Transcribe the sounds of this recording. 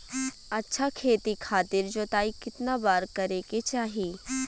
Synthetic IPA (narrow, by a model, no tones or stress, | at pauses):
ɐtːʃʰakʰeːt̪ikʰaːt̪ɪɾd͡ʒoːt̪aːikɪt̪nabaːɾkɐɾeket͡ʃaːɦi